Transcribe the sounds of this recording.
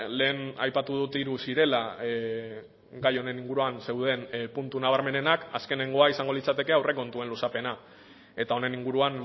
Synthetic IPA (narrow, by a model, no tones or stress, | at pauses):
le̞ːna̰jpat̪uðut̪iɾusiɾe̞la | ɡajo̞ne̞niŋɡuɾuanse̞wð̞e̞npunt̪unaβ̞aɾme̞ne̞nakaske̞ne̞ŋɡo̞aisaŋɡo̞lit͡sat̪e̞ke̞awrʔe̞ko̞nt̪ue̞nlusape̞na | e̞t̪ao̞ne̞niŋɡuɾuan